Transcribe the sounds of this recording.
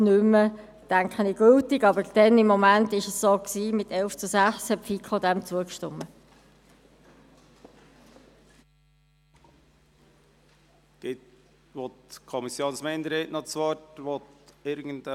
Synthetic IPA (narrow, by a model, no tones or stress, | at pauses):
nʏmːə | tæŋkχəniɡ̥øltɪɡɑbəɾd̥ɛnɪmːɔmæntɪʃəsːoːksiːmɪtɛlft͡susæχshɛpfikʰod̪æmt͡suəkʃtʊ̰mə | d̪̥ɪt̪ | ʋɔt̪kʰɔmisjoːnsmeɪnd̪əɾeʔnɔt͡sʋɔtʋɔt̪ɪɾɡən̩d